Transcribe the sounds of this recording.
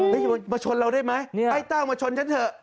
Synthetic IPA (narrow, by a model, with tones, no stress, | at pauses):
ə˦˥jmaː˧t͡ɕʰo˧nɾa˧wdu˥˩˨jma˦˥ja˧˩jt̪aː˥˩wmaː˧t͡ɕʰo˧nt͡ɕʰa˦˥nt̪ʰɤː˧˩